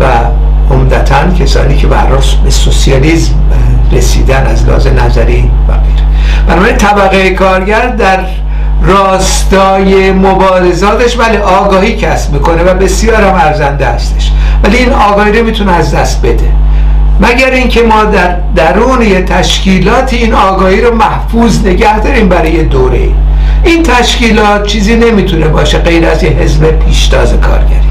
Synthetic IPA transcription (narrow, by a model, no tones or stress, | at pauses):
væ | o̰md̪æt̪ʰæncʰesɒ̰ːniːcʰe̞behæ̰ɾhɒlbesosijɒliːzm | ɾesḭːd̪ænæzlɒ̰ːzemnæ̰zæ̰ɾiː | væ̰ɣḛjɾe | b̥ænɒbæɾint̪ʰæbæɣejekʰɒːɾɟæɾd̪æɾ | rɒːs | t̪ɒːje̞mobɒːɾezɒːt̪ʰeʃbæleʔɒːɡɒːhiːcʰæsb̥miːko̞ne̞væbe̞sijɒːɾhæmæɾzænd̪ehæst̪e̞ʃ | væliiːnɒːɡɒːhiːɾemiːt̪ʰuneæzd̪æst̪̚be̞d̪e | mæɟæɾiːŋcʰemɒːd̪æɾ | d̪æɾuːnejet̪ʰæʃciːlɒːt̪ʰiːiːnɒːɡɒːhiːɾomæhfuːzne̞ɟæhd̪ɒːɾiːmbæɾɒːjed̪oːɾḛḭ | ʔiːnt̪ʰæʃciːlɒːt̪̚t͡ʃʰiːziːne̞miːt̪ʰune̞bɒːʃe̞ɢe̞jɾæ̰zjeɦezbepʰiːʃt̪ʰɒ̰ːzekʰɒ̰ːɾɟæ̰ɾḭ